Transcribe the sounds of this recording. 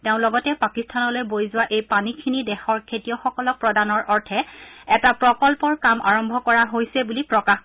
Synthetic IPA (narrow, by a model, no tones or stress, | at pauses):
teʊ̃lɔɡɔtɛpakistʰanɔlojbojzʊwaʔejpanikʰinidɛxɔɹkʰetijɔxɔkɔlɔk̚pɹɔdanɔɹʔɔɹtʰɛɛtapɹɔkɔlpɔɹkama̰ɹɔmbʱɔkɔɹaɦojsɛbulipɹɔkax